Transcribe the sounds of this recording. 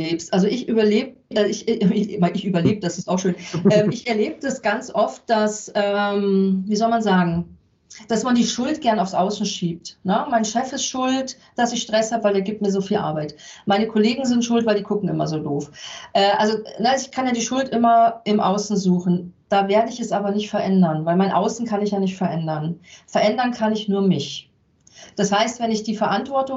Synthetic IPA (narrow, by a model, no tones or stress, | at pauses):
eːpstʔalzoʔɪçʔyːbɐleːb | aɪçmaɪɪçʔyːbɐleːbəd̥asɪstaʊxʃøːnʔɛːmɪçʔɛɐleːbədasɡ̥ant͡sʔɔft̚d̥asʔɛːmviːzɔlmanzaːɡŋ̩ | d̥asmandiːʃʊltɡ̥ɛɐnaʊfsʔaʊsn̩ʃiːp̚tnəmaɪnʃɛfɪstʃʊlt | d̥asɪçʃtʁ̥ɛshaːbəvaɪldeːɐɡiːp̚t̚miːɐzoːfiːlʔa̰ɐbaɪtmaɪnəkʰɔleːɡŋ̩zɪntʃʊltv̥aɪldiːkʰʊkŋ̩ɪ̰mɐ̰zoːdoːfʔɛːʔa̰lzonəɪçkʰanjaːdiːʃʊltʔɪmɐʔɪmʔaʊsn̩zuːχn̩d̥aːveːɐdəɪçɛsʔaːbɐnɪçtfɛɐʔɛndɐnvaɪlmaɪnʔa̰ʊsn̩kʰanɪçjaːnɪçtfɛɐʔɛndɐnfɛɐʔɛndɐnkʰanɪçnuːɐmɪç | d̥ashaɪstv̥ɛnɪçd̥iːfɛɐʔantv̥ɔɐtʊ